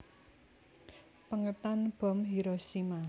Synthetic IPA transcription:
pəŋət̪anb̥ɔ̤mɦiɾoʃima

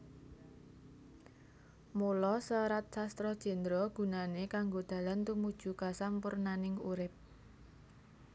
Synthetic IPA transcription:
mulɔsəɾat̪̚sast̪ɾɔd̥ʒ̥ɛ̤nd̪ɾɔɡ̥ṳnanekaŋɡod̪̥ä̤lant̪umud̥ʒ̥ṳkasampʊrnanɪŋuɾɪp̚

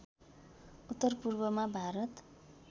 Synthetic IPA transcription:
ut̪ːʌrpurbʌmabʱaɾʌt̪

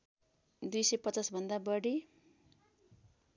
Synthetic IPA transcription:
d̪ujsʌjpʌt͡sasbʱʌnd̪abʌɽi

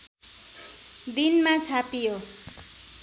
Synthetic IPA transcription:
d̪inmat͡sʰapijo

